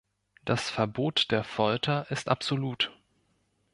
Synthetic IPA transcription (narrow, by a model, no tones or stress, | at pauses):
d̥asfɛɐboːtd̥eːɐfɔltʰɐʔɪstʔapz̥oluːt